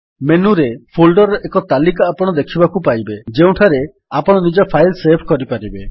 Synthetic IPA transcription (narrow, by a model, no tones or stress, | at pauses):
menuɾepʰolɖɔɾɔʔekɔt̪alikaːpɔɽ̃ɔd̪ekʰibakupajbed͡ʒeũʈʰaɾe | apɔɽ̃ɔnid͡ʒɔpʰajlsepʰkɔɾipaɾibe